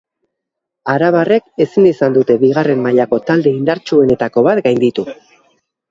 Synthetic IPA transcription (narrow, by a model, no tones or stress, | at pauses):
aɾaβ̞are̞ke̞sinisand̪ut̪e̞βiɣ̞are̞mmaʎako̞t̪ald̪e̞ind̪aɾt͡ʃuβe̞ne̞t̪ako̞βat̪ɡajnd̪it̪u